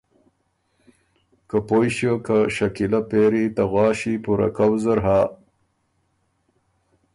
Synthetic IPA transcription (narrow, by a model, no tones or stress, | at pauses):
kapojɕjokaɕɐkilɐpeːɾit̪ɐɣwɑːɕipuɾa̰kawzəɾɦaː